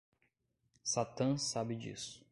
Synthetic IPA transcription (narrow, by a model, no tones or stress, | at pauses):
sat̪ɐ̃sabɪd͡ʒḭsʊ̥